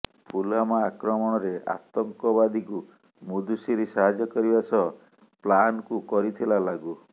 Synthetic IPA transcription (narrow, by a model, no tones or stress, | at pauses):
pʰulamaːkɾɔmɔɽ̃ɔɾea̰t̪ɔŋkɔbad̪iku | mud̪usiɾisaɦad͡ʒɔkɔɾibasɔ | planɔkukɔɾit̪ʰilalaɡu